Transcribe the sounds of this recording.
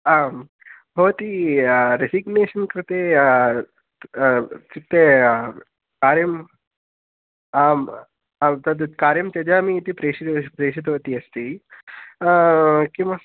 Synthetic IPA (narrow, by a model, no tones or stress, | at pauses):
am | ɦoːt̪iɾesiɡneːʃɐnkɾɪt̪eː | t̪it̪e | kaːɾjɐm | am | t̪ɐd̪kaːɾjɐmt͡ʃɐd͡ʒaːmiːt̪ipɾeːʃit̪pɾeːʃit̪ʋɐt̪iɐst̪iː | kĩʋa